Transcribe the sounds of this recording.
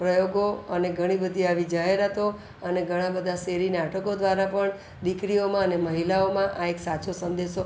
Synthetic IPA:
pɾəjoɡoəneɡʱəɽ̃ibəd̪ʱiaʋid͡ʒaɦeɾat̪o | əneɡʱəɽ̃ãbəd̪ʱaseɾinaʈʰəkod̪ʱʋaɾapəɳ | d̪ikɾiomãəneməɦilaomãʔaeksat͡ʃosənd̪eʃo

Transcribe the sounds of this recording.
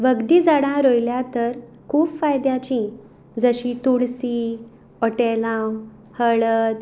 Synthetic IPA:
ʋəɡd̪id͡zaɽãɾojljat̪əɾ | kʰuːbfajd̪jat͡ɕĩ | d͡zəɕĩt̪uɽsi | ɔʈelãw | həɭəd̪

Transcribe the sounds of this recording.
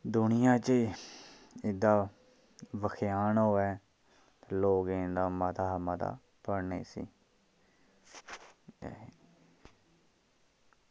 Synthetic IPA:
d̪ʊnɪjãːt͡ʃə | ɪd̪aː | ʋəkʰɪjaːnɦoːɛː | loːɡeːnd̪aːmət̪aːɦməːt̪a̰ː | pəɽnḛːsḭː

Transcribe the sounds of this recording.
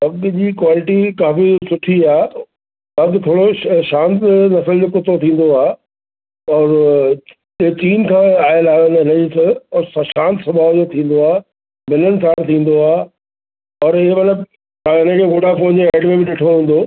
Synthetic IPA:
ɐɡd͡ʑiːkwaːlɪʈikaːfisʊʈʰiaː | ɐd̪t̪ʰoːɽoʃãːnt̪nɐsəld͡ʑoːkʊt̪ot̪ʰĩːn̆d̪oaː | ɔːɾ | t͡ɕiːnkʰãːaːɦɪlaːnɦɪnəd͡ʑisəɔːɾsʃãːnt̪sɐ̃mbʱaːʋd͡ʑot̪ʰĩːn̆d̪oaː | bɪnənɪ̆sãːt̪ʰːĩːn̆d̪oaː | ɔːɾɪɦemɐt̪ləb | aɪnə̃kʰeːɡoːɖapɐ̃ɦɪ̃ɲd͡ʑoɛːɖmẽbɪɗɪʈʰoɦũːn̆d̪o

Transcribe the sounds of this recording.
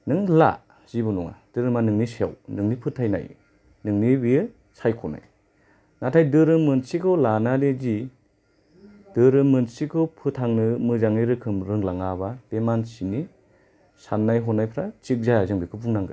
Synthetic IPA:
nɯŋla̰ | z̥ibɯnɔŋa̰d̥ɯɾɯmanɯŋnisea̰wnɯŋnipʰɯtʰajna̰j | nɯŋnibiɯ | sʰajkʰɔna̰j | natʰajdɯɾɯmɯnsikʰɯwlanadezi | d̥ɯɾɯmɯnsikʰɯwpʰɯtʰaŋnɯmɯzaŋɯɾɯkʰɯmɾɯŋlaŋabab̥emansini | sanːajɦɔnajpʰɾat͡ʃik̚zazɯŋbikʰɯpʰuŋnaŋɡɯ̰

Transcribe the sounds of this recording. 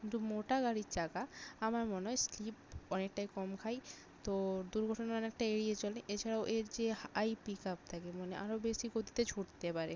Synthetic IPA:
kkint̪umoʈaɡaɾit͡ʃaɡaamaɾmoneɦɔjslip̚ɔnek̚ʈajkɔmkʰaj | t̪od̪uɾɡʱɔʈonaɾɔnek̚ʈajeɾiet͡ɕoleʔet͡ɕʰaɾaoʔeɾd͡ʑeajpikap̚t̪ʰakemoneʔa̰ɾobeʃikot̪i̥t̪ed͡ʑʰʱuʈt̪epaɾe

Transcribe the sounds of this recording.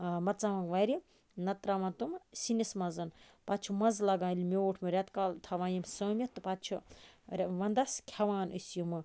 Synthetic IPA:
mɐt̪t͡saʋɐŋɡʋaːjɾi | nɐt̪ɾamɐnt̪umsinismɐzɐn | pat̪t͡ʃʰumɐzlɐɡãːlʲmʲewːʈʰmɨɾʲat̪kaːlt̪ʰɐʋaːjimsɐːmʲjɐt̪ɨpat̪t͡ʃʰu | ʋɐnd̪ɐskʲʰɐʋaːnɐsjumɨ

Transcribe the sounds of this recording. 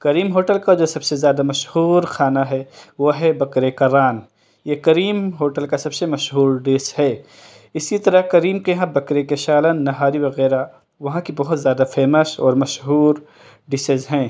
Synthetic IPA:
kɐɾiːmɦoːʈəlkad͡ʒoːsɐbsezjaːd̪amɐʃhuːɾxʰaːnaɦɛʋoːɦɛbɐkɾekaɾaːn | jekɐɾiːmɦoːʈəlkasɐbsemɐʃɦuːɾɖeːshɛː | ɪsit̪ɐɾəɦkɐɾiːmkeɦãbɐkɾekeʃaːlənːɐɦaːɾiʋɐɣɛːɾa | ʋɐɦãkibɐɦʊt̪zʲjaːd̪afeːməsɔːɾmɐʃɦuːɾ | ɖɪsezɦɛ̃ː

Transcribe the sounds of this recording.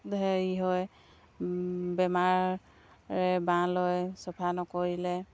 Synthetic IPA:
d̪ɛiɦɔj | bɛmaɹː | ɛbãlɔjsɔpʰanɔkɔɹilɛ

